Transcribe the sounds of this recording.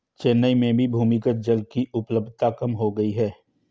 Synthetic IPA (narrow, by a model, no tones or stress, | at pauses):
t͡ʃeːnːəimẽbʱibʱuːmikət̪̚d͡ʒəlkiʔʊpləb̚d̪̚ʱt̪akɐmɦoɡɐiɦɛː